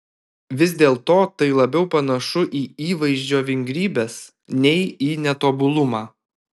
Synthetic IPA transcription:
ʋʲɪzʲd̪ʲeːlˠt̪oːt̪ɐɪlˠɐbʲɛʊpɐnɐʃʊʔiːiːʋɐɪʒʲd͡ʒʲoːʋʲɪŋʲɡɾʲiːbʲeːs | nʲɛɪiːnʲɛt̪oːbʊlˠʊmɑː

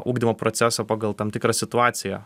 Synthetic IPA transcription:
ʔuːɡd̪ʲɪmɐːpɾɔt̪sʲæsopɑːɡɐlˠt̪ɐmt̪ʲɪkɾɐsʲɪt̪ʊɑːt̪sʲɪjɛ̰

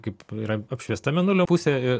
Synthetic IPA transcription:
kɐɪpiːɾɐɐpʲʃʲʋʲiɛst̪ɐmʲɛnʊlʲoːpusʲeɪr

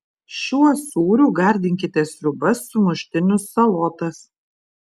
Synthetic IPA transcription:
ʃʲuɔsuːɾʲuːɡɐˑɾʲd̪ʲɪŋʲkʲɪt̪ʲɛsɾʲʊbɐsːʊmʊʃʲt̪ʲɪnʲʊsɐlˠɔt̪ɐs

